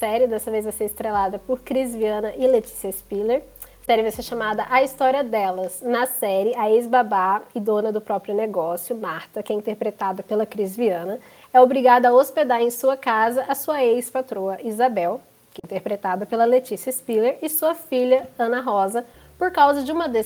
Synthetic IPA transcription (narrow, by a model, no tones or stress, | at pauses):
sɛɾɪd̪ɛsɐvezɐseɾɪst̪ɾelad̪ɐpʊɾkɾizviɐ̃nɐʔɪlet͡ʃi̥siɐspileɾ | sɛɾɪvajseɾʃamad̪ɐʔɐist̪ɔɾiɐd̪ɛlɐznɐsɛɾɪɐezbabaɪd̪õnɐd̪ʊpɾɔpɾjʊneɡɔsjʊmaɾt̪ɐkɛĩt̪eɾpɾet̪ad̪ɐpelɐkɾizviɐ̃nɐ | ɛobɾiɡad̪ɐaosped̪aɾẽj̃suɐkazɐʔɐsuɐejspat̪ɾoɐʔizabɛw | kɪĩt̪eɾpɾet̪ad̪ɐpelɐlet͡ʃisiɐspileɾɪsuɐfiʎɐɐ̃nɐɦɔzɐ | poɾkawzɐd͡ʒɪũmɐd̪e